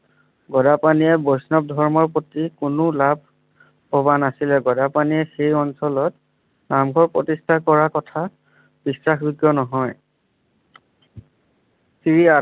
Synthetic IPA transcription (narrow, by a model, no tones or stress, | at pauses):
ɡɔdapaniɛbojsnɔb̚dʱɔɹmɔɹpotikʊnʊlabʱ | pɔbanasilɛɡɔdapaniɛxejɔnsɔlɔt | namɡʱɔɹpɹɔtistʰakɔɹakɔtʰa | b̥isɹaxbiɡjɔnɔɦɔj | siɹia